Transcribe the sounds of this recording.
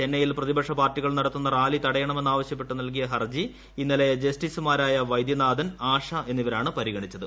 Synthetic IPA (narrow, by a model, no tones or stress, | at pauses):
t͡ɕe̞nːɐjilprɐðibɐkʂɐpaːrʈːiɣɐɭnɐɽɐt̪ːunːɐraːlit̪ɐɽɐjɐɳɐmenːaːʋɐɕjɐpːe̞ʈːunɐlk̬ijɐɦɐrd͡ʑi | inːilejd͡ʑɐsʈisumaːɾaːjɐʋɐjd̪jɐnaːd̪ɐnaːʂɐʔe̞nːiʋɐɾaːɳɨpɐɾiɣɐɳit͡ɕːɐðɨ